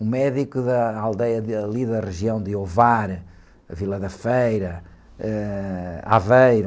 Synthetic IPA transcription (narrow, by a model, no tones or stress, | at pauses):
umɛðikuðɐalˠd̪ɛjɐɐlˠiðɐʁɨʒiɐ̃w̃d̪ɨovaɾ | ɐvilˠɐðɐfejɾɐ | ɛ | a̰vejɾ